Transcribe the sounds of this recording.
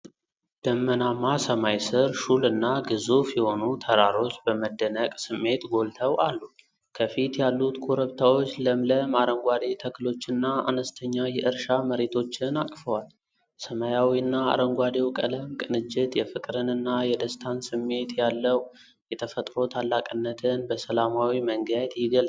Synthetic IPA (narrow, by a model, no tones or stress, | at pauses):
d̪̥əmːənamːasəmajsɨɾʃulɨnːaɡɨzufjɛho̞nut̪ʰəɾaɾo̞t͡ʃːbəməd̪ːənəkʼsɨmːe̞t̪ɡo̞lt̪ʰəwʔalːu | kʰəfit̪jalːut̪kʰoɾəβt̪ʰawo̞t͡ʃːləmləmaɾəŋɡʷad̪e̞t̪ʰəkɨlo̞t͡ʃːɪnːaa̰nəst̪ʰəɲːajɛʔɨɾʃaməɾe̞t̪ʰo̞t͡ʃːɪnakʼfəwal | səmajawiɨnːaa̰ɾəŋɡʷad̪e̞wkʼələmkʼɨnɨd͡ʒːɪt̪jɛfɨkʼɾɨnɨnːajɛd̪əst̪ʰansɨmːe̞t̪jalːəw | jɛt̪ʰəfət̪ʼɾo̞t̪ʰalːakʼɨnːət̪ʰɨnbəsəlamawiməŋɡəjat̪jɪɡəl